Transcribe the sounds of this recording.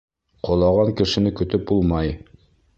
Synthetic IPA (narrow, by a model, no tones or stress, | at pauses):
qŏlˠɑʁɑŋkɘ̆ʃɘ̆nɘkɵ̆t̪ɵp̚bulˠmɑj